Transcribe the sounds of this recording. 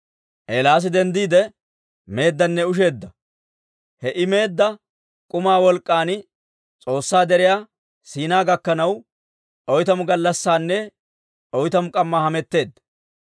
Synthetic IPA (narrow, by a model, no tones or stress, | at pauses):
ʔeːlaːs̬ɪd̪ɛnd̪iːd̪ɛ | me̞ːd̪ːɐnːɛʊʃ̬e̞ːd̪ːɐ | hɛʔɪme̞ːd̪ːɐ | kʼʊmaːwɔlkʼːaːn | t͡sʼo̞ːsːaːd̪ɛɾɪjaː | siːnaːɡɐkːɐnɐw | ʔɔjt̪ɐmʊɡɐlːɐsːaːnːɛ | ɔjt̪ɐmʊkʼɐmːaːhɐmɛt̪ːe̞ːd̪ːɐ